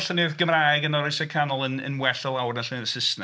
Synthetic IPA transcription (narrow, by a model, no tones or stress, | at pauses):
ɬənɨːðɡəmraːjɡənɔɾɪjsɛkʰanɔlˠənə̰nwɛɬəlˠawrnaɬənɨːðəsɪsna